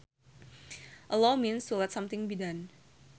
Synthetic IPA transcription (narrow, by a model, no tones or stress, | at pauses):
ʔəlominsːulɛt̪̚sɔmt̪ɪŋbidan